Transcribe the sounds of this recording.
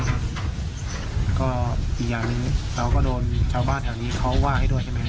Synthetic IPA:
kɔː˥˩ʔiː˨˩k̚jaː˨˩ŋniː˧˥˦ɾa˧wkɔː˥˩doː˧nt͡ɕʰaː˧wbaː˥˩˨nɦʰɛ˨˩wniː˦˥kʰa˦˥wwaː˥˩ha˥˩jdu˥˩əjha˥˩ma˦˥

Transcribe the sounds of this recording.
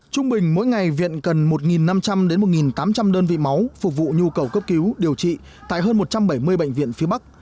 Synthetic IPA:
t͡ɕʊ˧ŋ͡mɓï˨˩ŋ̟mo̰˧˥jŋa˨˩jvḭ˧˨ənkə˨˩nmo˨˩t̚ŋi˨˩nːa˧mt͡ɕa˧mɗe˨˦nmo˨˩t̚ŋi˨˩nt̪aː˨˦mt͡ɕa˧mɗəː˧nvḭ˧˨ma˨˦wfʊ˨˩k͡p̚vṵ˧˨ɲu˧kə˨˩wkə˦˥p̚ki˨˦wɗi˨˩əwt͡ɕḭ˧˨ | t̪a̰ː˧˨jɦəː˧nmo˨˩t̚t͡ɕa˧mɓə˧˩jmɨ˧əjɓə̰˧˨jŋ̟vḭ˧˨ənfi˨˦əɓa˦˥k̚

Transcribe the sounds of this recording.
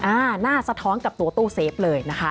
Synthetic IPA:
ʔaː˧naː˥˩sa˧t̪ʰɔː˦˥nka˨˩p̚t̪u˨˩˦ɐt̪uː˥˩seː˩˦˥p̚lɤː˧jna˦˥kʰa˦˥

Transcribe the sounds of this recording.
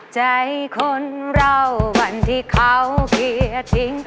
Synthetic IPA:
t͡ɕa˧jkʰo˧nɾa˧wwa˧nt̪ʰi˧˩kʰa˧wki˧˩˧t̪ʰi˧ŋ

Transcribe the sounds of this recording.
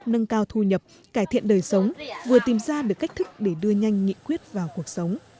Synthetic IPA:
nə˧ŋkaː˧wt̪ʰu˧ɲə˨˩p̚ | kaː˧˩jt̪ʰḭ˧˨ənɗəː˨˩jsə˨˦wŋ͡mvɨ˨˩ət̪i˨˩mzaː˧ɗɨ˨˩əkːa˦˥k̟̚t̪ʰɨ˦˥k̚ɗe˧˩ɗɨ˧əɲa˧jŋ̟ŋḭ˧˨kwi˦˥ət̚vaː˨˩wku˨˩ək̚sə˨˦wŋ͡m

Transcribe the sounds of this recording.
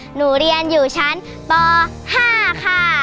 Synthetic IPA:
nuː˨˩ɾi˧ənjuː˨˩t͡ɕʰa˦˥n | t̪ɔː˧ | haː˥˩kʰa˧˩

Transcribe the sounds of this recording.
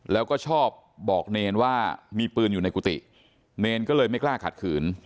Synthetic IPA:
lɛː˦˥wkɔː˥˩t͡ɕʰɔː˥˩p̚bɔː˨˩k̚neː˧nwaː˥˩miː˧pɯː˧nju˨˩na˧jkuː˧t̪ḭ˨˩ | neː˧nkɔː˥˩lɤː˧jma˥˩jklaː˥˩kʰa˨˩t̪̚kʰɯː˩˦n

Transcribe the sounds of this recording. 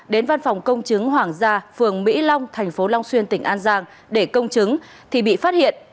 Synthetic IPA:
ɗe˨˦nva˧nfɔ˨˩wŋ͡mkə˧wŋ͡mt͡ɕɨ˨˦ŋɦwaː˧˩ŋzaː˧fɨ˨˩əŋmḭ˧˥la˧wŋ͡mt̪ʰɛ˨˩jŋ̟fo˨˦la˧wŋ͡mswi˧nt̪ï˧˩ŋ̟ʔaː˧nzaː˧ŋ | ɗe˧˩kə˧wŋ͡mt͡ɕɨ˨˦ŋ | t̪ʰi˨˩ɓḭ˧˨faː˦˥t̚hḭ˧˨ən

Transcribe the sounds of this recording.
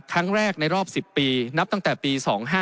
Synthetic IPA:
kʰːa˦˥ŋɾɛː˥˩k̚na˧jɾɔː˥˩p̚si˨˩pːiː˧na˦˥p̚t̪a˥˩ŋt̪ɛː˨˩piː˧sɔː˩˦ŋɦaː˥˩

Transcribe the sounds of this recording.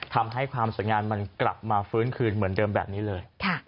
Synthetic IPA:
t̪ʰa˧mɦa˥˩jkʰwaː˧msu˨˩˦jŋaː˧nma˧nkla˨˩p̚maː˧fɯː˦˥nkʰɯː˧nmɯ˩˦əndɤː˧mbɛ̰ː˨˩p̚niː˦˥lɤː˧jkʰa˥˩

